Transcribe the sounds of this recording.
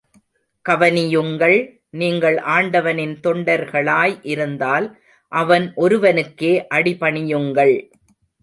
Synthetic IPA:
kɐʋɐnɪjɯŋɡɐɭ | niːŋɡɐɭʔaːɳɖɐʋɐnɪnt̪ɔɳɖɐɾɣɐɭaːjʔɪɾɯnd̪aːl | ʔɐʋɐnʔɔɾɯʋɐnɯkːeːʔɐɽɪpɐɳɪjɯŋɡɐɭ

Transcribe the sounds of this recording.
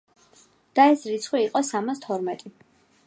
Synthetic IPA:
d̪̥aɛsɾit̪sʰχwiːqʼɔsamast̪ʰɔɾmɛt̪ʼi

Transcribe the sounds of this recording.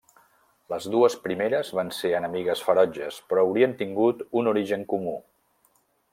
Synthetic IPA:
ləzðuəspɾimeɾəzβanseənəmiɣəsfəɾɔd͡ʒəspɾɔːwɾiənt̪iŋɡut̪unuɾiʒəŋkumu

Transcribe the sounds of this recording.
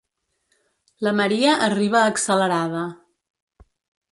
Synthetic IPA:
ləməɾiəʔəriβ̞əːksələɾaðə

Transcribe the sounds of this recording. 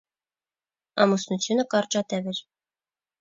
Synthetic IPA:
ɑ̰musnut͡s̪ʲʰjunəkɑrt͡ʃɑt̪ɛvɘɾ

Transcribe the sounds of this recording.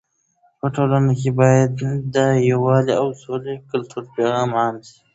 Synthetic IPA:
paʈʰoːlanakebɑːjad̪d̪əjawɑːleawsoːlekəlt̪ʰuɾpeɣãːmaːnsi̥

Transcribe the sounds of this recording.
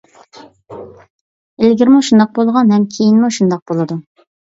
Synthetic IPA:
elɡʲɪɾmuʃund̪ɑq̚bolˠʁɑnɦɛmkʲʰejinmuʃund̪ɑq̚bolˠɨd̪u

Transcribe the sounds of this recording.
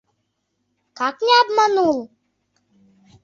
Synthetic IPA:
kaknʲɛabmanulˠ

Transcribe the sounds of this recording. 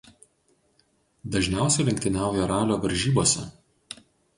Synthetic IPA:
d̪ɐʒʲnʲæˑʊsʲɛlʲɪŋʲkʲt̪ʲɪnʲæˑʊjɛɾɑːlʲoːʋɐɾʲʒʲiːboːsʲɛ

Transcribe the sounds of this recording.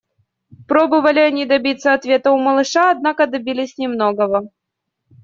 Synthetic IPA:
pɾobɨvəlʲɪɐnʲid̪ɐbʲit̪sːəɐt̪vʲet̪əʊməlˠɨʂaɐd̪̚nakəd̪ɐbʲilʲɪsʲnʲɪmnoɡəvə

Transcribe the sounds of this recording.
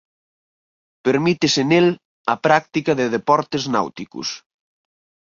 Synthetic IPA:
peɾmit̪ɪsɪnel | ɐpɾak̚t̪ikɐðɪðepɔɾt̪ezna̰wt̪ikʊ̰s

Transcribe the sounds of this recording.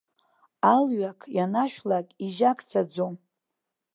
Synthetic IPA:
alɥakʰjanaʃᶣlakʼiʒakʼt͡sʰad͡zom

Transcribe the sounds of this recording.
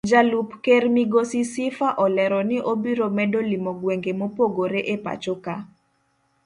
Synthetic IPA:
d͡ʒalupkermiɡosisɪfaʔɔlɛɾɔnɪʔobiɾomɛdolimɔɡweŋɡemopoɡoɾeʔepa̰t͡ʃoka

